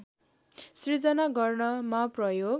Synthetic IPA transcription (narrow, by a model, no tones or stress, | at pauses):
srid͡zʌnaɡʌrnʌmaprʌjoɡ